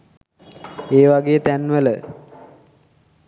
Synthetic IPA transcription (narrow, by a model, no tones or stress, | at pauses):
eːʋaɡeːət̪ænʋələ